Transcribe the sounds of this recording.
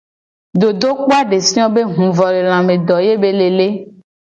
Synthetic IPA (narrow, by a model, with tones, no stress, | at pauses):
d̪o˨d̪o˦k͡po˦a˦ɖe˨sĩ˦ɔ̃˦be˦ɦũ˨vɔ˨le˨l̃ã˨mẽ˨d̪ɔ˨je˦be˦le˨le˦